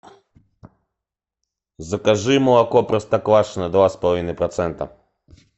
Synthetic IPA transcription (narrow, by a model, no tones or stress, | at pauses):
zɐkɐʒɪmɔɐkɔpɾɐst̪ɐklˠaʂnɐd̪ʋaspɐlˠɐʋinɨpɾɔt̪sɛnt̪ɐ̰